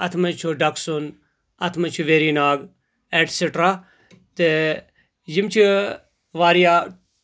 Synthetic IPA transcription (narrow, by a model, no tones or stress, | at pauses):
ɐt̪ʰmɐt͡ʃʰuɖɐksun | ɐt̪ʰmɐt͡ʃʰuʋeːɾiːnaːɡ | eːʈsiʈɾa | t̪e | jimt͡ʃʰi | ʋaːɾijaː